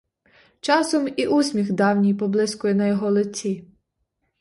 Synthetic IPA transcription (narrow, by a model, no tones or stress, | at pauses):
t͡ʃɑsɔmiʔusʲmʲixd̪ɑwnʲijpɔblˠɪskʊjinɐjɔɦɔlˠɪt͡sʲi